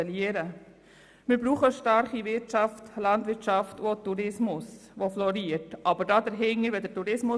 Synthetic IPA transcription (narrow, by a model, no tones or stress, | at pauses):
ɛliəɾə | mɪɾbɾuːχəʃtɑɾχiʋɪɾtt͡ʃɑftlɑntʋɪɾtt͡ʃɑftotːuɾɪsmʊsʋoflɔɾiəɾtʔɑbəɾdɑːd̪əɾɦɪŋəɾʋɛdətuɾɪsmʊ